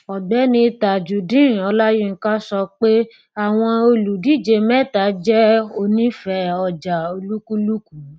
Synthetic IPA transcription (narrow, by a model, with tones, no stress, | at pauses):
ɔ˨ɡ͡bɛ˨˦nĩ˧i˧ta˨d͡ʒu˨dĩ˦˨ɔ˧la˦jĩ˦ŋ̩˨kã˦sɔ˧k͡pe˦ | a˦˨w̃ɔ̃˧o˧lu˨di˨˦˨d͡ʒe˧mɛ˦˨ta˨˦d͡ʒɛ˦o˧nĩ˦fɛ˧˦ɔ˧˨d͡ʒa˨o˧lu˦ku˦lu˦ku˨˦